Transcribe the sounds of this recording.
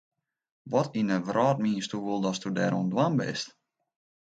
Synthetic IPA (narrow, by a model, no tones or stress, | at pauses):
ʋɔtinəʋrɔːt̚miːəstuʋulˠdɔstudɛːɾṵəndwanbɪ̰st